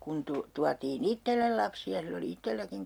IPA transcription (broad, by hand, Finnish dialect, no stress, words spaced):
kun tu tuɑtiːn itːelːel lɑpsiɑ silː oli itːelːækiŋ